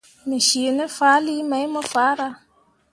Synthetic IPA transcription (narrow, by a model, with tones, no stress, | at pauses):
mɪ˨ʃi˨e˨nɛ˦faː˨˦li˦ma˨˦jmɔ˦faː˨˦ɾa˦